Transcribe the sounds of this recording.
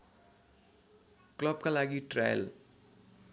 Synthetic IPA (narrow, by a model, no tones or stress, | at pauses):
klʌbkalaɡiʈra̰jə̰l